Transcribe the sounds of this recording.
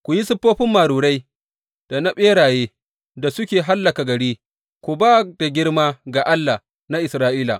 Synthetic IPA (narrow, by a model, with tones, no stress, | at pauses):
kʷu˨ji˦sʊ˦pːoː˦ɸɪ˦mːaː˨ɾuː˨ɽa˦j | d̥a˨na˦ɓeː˦ɽaː˨jeː˦ | da˨sʊ˦kʲeː˨ɦa˦lːa˨ka˨ɡɐ˨ɽiː˦ | kʷu˨baː˦da˨ɡʲɪ˦ɽmaː˦ɡaː˨ʔa˦lːa˨ | na˦ʔɪ˨sɾaː˦ʔiː˦la̰˨ʔ